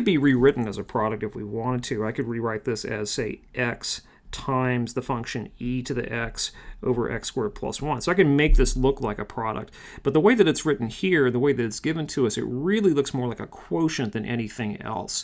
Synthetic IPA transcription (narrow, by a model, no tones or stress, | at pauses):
ɨd̚biɹiɹɪʔn̩ɨzɨpʰɹ̥ɑɾɨk̚tɨfwḭwɑ̃ɾ̃d̚tʰʉaɪkɨd̚ɹiɹaɪt̪̚ðɪsɨ̰z̥seɪʔɛks | tʰãɪ̃mzðəfʌ̃ŋkʃɨ̃niɾɨðḭʔɛksʔo̰ʊvə̰˞ʔɛ̰kskwɜ˞d̚pʰl̥ʌ̰swʌ̃nsoʊaɪkɨ̃nmeɪk̚ðɪslʊklaɪkɨpʰɹ̥ɑɾə̰k̚t̚ | b̥ʌt̪̚ðəweɪðɨɾɨtsɹɪʔn̩hiɹɨ̃nðəweɪðɨɾɨtsɡ̥ɪvɨ̃ntʰɨʌsɨ̰t̚ɹɪlˠilʊksmɔɹlaɪkəkʰw̥oʊʃɨ̃nðɨ̃nʔɛ̰ñiθɪ̃ŋɛ̰lˠs